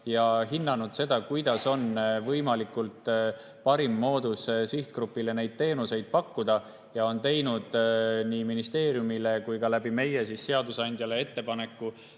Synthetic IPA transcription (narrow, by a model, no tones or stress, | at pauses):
jɑɦinːɑnud̪̥se̞d̪̥ɑkujd̪̥ɑso̞nvɤjmɑlikːˑult̪ | pɑɾimːo̞ːd̪ussiht̪̚krupːile̞ne̞jd̪̥̚t̪e̞ːnuse̞jd̪̥̚pɑkːud̪̥ɑ | jɑo̞nt̪e̞jnud̪̥niːminist̪e̞ːɾjumile̞kujkɑlæbime̞je̞sisːe̞ɑd̪usɑnʲd̪̥ʲjɑle̞e̞t̪ːe̞pɑne̞kːˑu